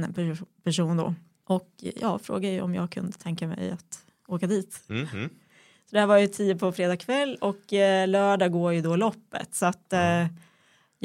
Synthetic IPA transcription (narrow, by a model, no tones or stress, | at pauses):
pæʂuːnd̪ɔ̰ | ʔɔkjɑ̰ːfɾo̰ːɡad̪əjə̰ɔmjɑ̰ːɡ̚kʰɵ̰nd̪ət̪ʰɛŋkamɛ̰jat̪ | oːkad̪iːt̪ | sɔd̪ɛhæːvaɾjɵt̪ʰiːəpʰɔfɾeːd̪ɑːɡkʰvɛlːɔklœːɖɑːɡoːɾjɵd̪ɔlɔpːə̰t̪sɔat̪ː | j